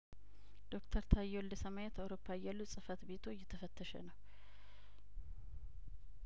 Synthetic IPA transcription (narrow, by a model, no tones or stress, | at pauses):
d̪̥o̞kt̪ʰəɾt̪ʰajːɛwld̪əsəmajɛt̪awɾo̞pʰːajalːusʼɨfət̪be̞t̪ʰo̞t͡ʃjːɛt̪ʰːəfət̪ʰːəʃə̰nəw